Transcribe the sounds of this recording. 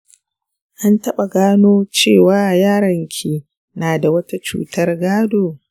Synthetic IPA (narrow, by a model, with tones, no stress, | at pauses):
ʔa˦ntɐ˦ɓa˨ɡaː˦noː˦t͡ʃeː˦˨waː˨˦ʔjaː˦ɾɐ˨ŋkʲʰiː˦˨ | naː˨da˨wɐ˦ta˦t͡ʃṵː˦tɐ˦rɡaː˦doː˨